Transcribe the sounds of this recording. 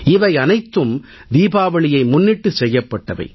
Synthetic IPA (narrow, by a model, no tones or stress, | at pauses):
ɪʋɐɪɐnɐɪt̪ːɯm | d̪iːbaːʋɐɭɪjɐɪmʊnːɪʈːɯsɛjːɐpːɐʈːɐʋɐ̰ɪ